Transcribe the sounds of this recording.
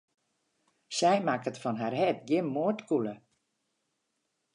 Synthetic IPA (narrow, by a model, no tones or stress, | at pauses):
sɛjmakətfɔnɦarɦɛt̚ɡjɪnmːoətkulə